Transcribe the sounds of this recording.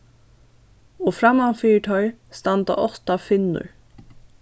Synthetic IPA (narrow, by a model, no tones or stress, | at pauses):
ɔːfɾamːafiːʈ̪ʰœʏst̪ant̪a̰ʔɔht̪afɪnːʊ̰ɹ